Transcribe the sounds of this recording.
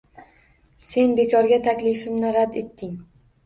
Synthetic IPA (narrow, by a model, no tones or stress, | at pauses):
se̞nbe̞kʰɒɾɡʲat̪ʰakʲlɪfɪmnɪɾad̪e̞t̪ʰːɪŋ